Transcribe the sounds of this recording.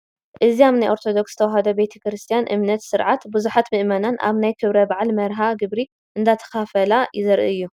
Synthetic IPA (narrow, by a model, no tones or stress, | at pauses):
ʔɨziaβnajʔo̞ɾt̪ʰo̞d̪o̞kst̪ʰɐwaɦɐd̪ɐbe̞t̪ʰɐ̥kɾɨst̪ʰijanʔɨ̰mnɐt̪sɨɾʕat̪bɨzuħat̪mɨʔmɐnanʔa̰βnajkʰɨβɾɐbaʕalmɐɾɦaɡɨβɾi | ʔɨnd̪at̪ʰɐ̥xafɐlajɪzɐɾʔɨ̰ɨjːu